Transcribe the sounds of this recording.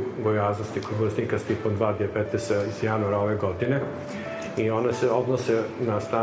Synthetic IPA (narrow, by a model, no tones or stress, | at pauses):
ɡojaːznost̪ikod̪blasniːkast̪ipomd̪ʋaːd̪iepet̪nesaizjanuaɾaoʋeɡod̪ine | ionaseod̪nosenast̪ɾaː